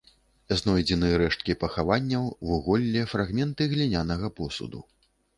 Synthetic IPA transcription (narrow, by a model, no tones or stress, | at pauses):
znɔjd͡zʲɛnɨjɐɾɛʂt̪̚kʲipɐxavanʲːɐwvuɣɔlʲːɛfɾaɣmʲɛnt̪ɨɣlʲinʲanɐɣɐpɔsṵd̪ṵ